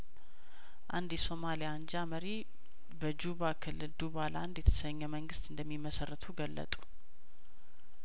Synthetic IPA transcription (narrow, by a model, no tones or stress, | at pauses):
ʔa̰nd̪jɛso̞malijand͡ʒaməɾi | bəd͡ʒuβakʰɨlːɨld̪uβaland̪jɛt̪ʰə̥səɲːɛməŋɡɨst̪ɨnd̪əmːimːəsərːət̪ʰuɡəlːə̰t̪ʼu̥